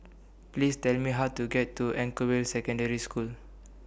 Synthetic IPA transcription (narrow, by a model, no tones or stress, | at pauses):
plistɛlmiɦaʊtuɡɛtːuɛ̃ŋkəwilsɛkɔ̃ndəɹiskul